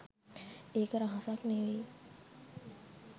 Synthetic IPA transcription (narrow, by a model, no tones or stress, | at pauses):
eːkəɾaɦasakneʋi